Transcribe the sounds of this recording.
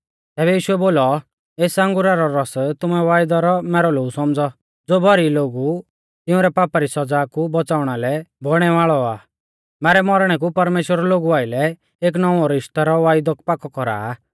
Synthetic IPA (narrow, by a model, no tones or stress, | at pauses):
t̪ɛːbɛjiːʃuɛboːlɔ | eːsɐ̃ŋɡuɾaɾɔɾɔst̪ʊmɛʋaːɪjd̪ɔɾɔmɛːɾɔloːɡusɔmd͡zɔ | d͡zoːbʱɔɾiloːɡu | t̪ɪũɾɛpaːpaɾisɔd͡zaːkubɔt͡saːʊɽ̃alɛbɔɽ̃ɛʋaːɭɔaː | mɛːɾɛmɔɾɽ̃ɛk̬upɐɾmeːʃwəɾɔloːɡuaːɪlɛ | eːk̬nɔʋɔɾɪʃt̪aɾɔʋaːɪd̪ɔkpakɔkɔɾa̰ː